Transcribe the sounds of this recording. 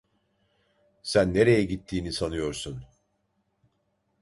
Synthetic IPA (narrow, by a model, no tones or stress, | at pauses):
sænːe̞ɾe̞jɛɟit̪ʰːiːnisanɯjo̞ɾsun